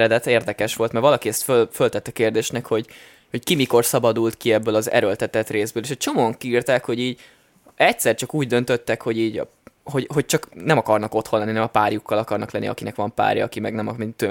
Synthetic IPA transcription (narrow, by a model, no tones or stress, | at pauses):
ɾɛd̪ɛt̪eːrd̪ɛkɛʃʋo̞lt̪mɛrvɒlɒkiɛst̪følfølt̪ɛt̪ːɛkeːrd̪eːʃnɛkho̞ɟ | ho̞ckimiko̞rsɒbɒd̪ult̪kiɛbːøːlɒzɛ̰ɾølt̪ɛt̪ɛt̪reːzbøːleːʃɛt͡ʃo̞moɒŋkiiːrt̪aːkho̞ɟiːɟ | ɛct̪sɛrt͡ʃɒkuːɟd̪ø̞nt̪øt̪ːɛkho̞ɟiːɟ̰ | ho̞ɟɦo̞c̚t͡ʃɒknɛmɒkɒrnɒko̞t̪honlɛnːinɛmɒpaːrjukʰːɒlɒkɒrnɒklɛnːḭɒ̰kinɛkʋɒmpa̰ːɾjɒ̰ːkimɛɡnɛmɒmit̪ø